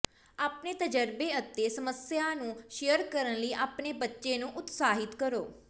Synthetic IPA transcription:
aːpneːt̪əd͡ʒəɾbeːət̪ːeːsəməsjaːnũːʃejəɾkəɾənləiːʔaːpneːbətːʃeːnũːʔʊt̪saːɦɪt̪kəɾoː

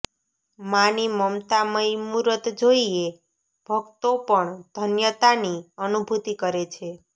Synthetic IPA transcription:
maniməmt̪aməjmuɾət̪d͡ʒoie | b̥ʱəɡt̪opəɳd̪̥ʱənjət̪aniənubʱut̪ikəɾet͡ʃʰe

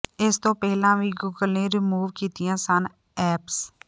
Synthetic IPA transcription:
ɪst̪õːpɛɦlãːʋiːɡuːɡəlneːɾɪmuːʋkiːt̪ɪjãːsən | ɛːps

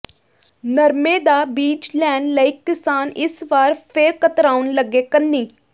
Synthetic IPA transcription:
nəɾmeːd̪aːbiːd͡ʒlɛːnɖləikːɪsaːnɪsʋaːɾpʰɪɾkət̪ɾaːʊnləɡeːkənːiː

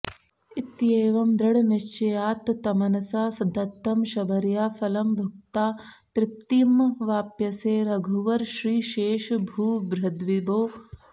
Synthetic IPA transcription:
it̪jeːʋɐmd̪ɾɐɽɐniʃt͡ʃɐjaːt̪t̪ɐmɐnɐsaːsɐnt̪ɐt̪ːɐmʃɐbʱɐɾjaːfʰɐlɐmbʱɐk̚t̪aːt̪ɾɪp̚t̪iːmʋaːpjɐseːɾɐɡʱuʋɐɾʃɾiːʃeːʃbʱuːbɾɐd̪ʋiboː

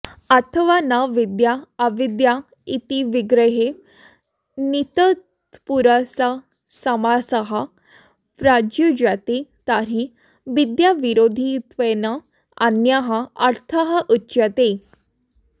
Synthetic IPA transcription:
at̪ʰəʋanaʋid̪jaːʋid̪ja | it̪iʋiɡɾəɦe | nit̪ə | t̪puɾasa | səmasəɦa | pɾad͡ʑjud͡ʑat̪et̪aɾi | ʋid̪jaʋiɾod̪ʱit̪ʋəna | anjaɦaaɾt̪ʰəɦaʔutːɕjat̪e

